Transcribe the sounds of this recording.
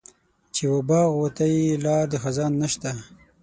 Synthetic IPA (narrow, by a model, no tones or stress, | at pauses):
t͡ʃewabɑɣwat̪ajilɑd̪əxazɑnːaʃt̪a